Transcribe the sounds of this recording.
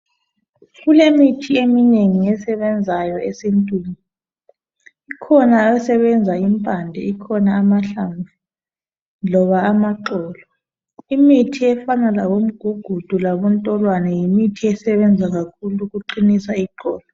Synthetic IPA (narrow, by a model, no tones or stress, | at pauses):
ɣulemitʰiemineŋiɛsɛβɛnd͡zʱajɔesintʼwiːŋi | ikʰɔnaɛsɛβɛnd͡zʱaimpʼandʱɛikʰɔnaːmaɬamʱa | lɔβaːmaǃɔːlɔ | imitʰiɛfanalawom̩ɡ̥ʱuɡ̥ʱud̥ʱulaβɔntʼɔlwanɛjimitʰiɛsɛβɛnd͡zʱaɣakʰuluɣuǃinisaiǃɔːlɔ